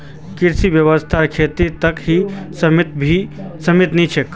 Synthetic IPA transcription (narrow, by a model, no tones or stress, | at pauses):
kiɾsiʋjəʋəst̪ʰaɾkʰeːt̪it̪ɐkhisəmt̪bʱisɐmit̪nit͡ʃʰek